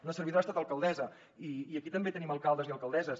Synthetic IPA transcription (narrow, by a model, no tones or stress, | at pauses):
nəsəɾβiðoast̪at̪əlˠkəlˠd̪ɛzə | iːəkit̪əmbet̪əniməlˠkalˠd̪əziəlˠkəlˠd̪ɛzəs